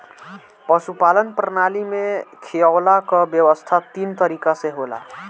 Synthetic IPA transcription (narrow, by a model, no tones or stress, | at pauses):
pəsupalənpɾənalimekʰeawlakʌbjəwəst̪ʰat̪int̪əɾikasẽɦola̰